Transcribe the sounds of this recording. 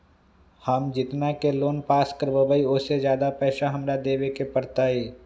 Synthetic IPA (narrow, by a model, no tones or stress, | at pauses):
həmd͡ʒɪt̪nakeloːnpaːskəɾbəbəiʊsezjaːd̪apɛːʃaɦɐmɾad̪eːʋekepɐɾt̪aɦeː